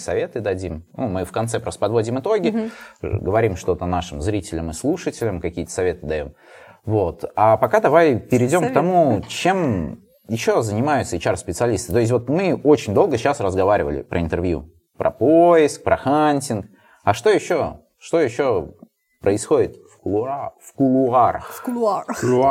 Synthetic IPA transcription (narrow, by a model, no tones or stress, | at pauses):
sɐvʲe̞t̪ɨd̪ɐdʲimnṵmɨfkɐnt̪sɛpɾo̞st̪əpɐd̪vo̞dʲɪmɨt̪o̞ɡʲɪ | ɡəvɐɾʲimʂt̪o̞t̪ənaʂɨmzɾʲitʲɪlʲəmɨslˠuʂɨtʲɪlʲəmkɐkʲijət̪ə̥sɐvʲe̞t̪ɨd̪ɐjo̞̰m | vo̞t̪apɐkad̪ɐvajpʲɪɾʲɪdʲo̞mkt̪ɐmut͡ɕe̞m | jɪɕːo̞zənʲɪmajʊt̪səɪt͡ɕarspʲɪt̪sɨɐlʲist̪ɨt̪oɪs̬ʲtʲvo̞t̪mɨo̞t͡ɕɪnʲd̪o̞lˠɡəɕasrəzɡɐvaɾʲɪvə̰lʲɪ̰pɾʔə̰ɪnt̪ɨrvjṵ | pɾʔɐ̰pojɪsk̚pɾʔɐxanʲtʲɪnk | ɐʂt̪o̞jɪɕːo̞ | ʂt̪ojɪɕːo̞ | pɾəɪsxo̞dʲɪt̪ffkʊlˠʊaɾə̰x